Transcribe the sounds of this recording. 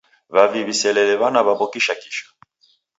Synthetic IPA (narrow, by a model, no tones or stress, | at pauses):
βaviβisɛlɛlɛβanaβabɔkiʃaki̥ʃḁ